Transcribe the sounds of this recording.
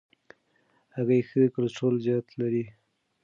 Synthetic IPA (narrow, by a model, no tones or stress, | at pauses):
haɣajxəkəlsolzjɑt̪laɾi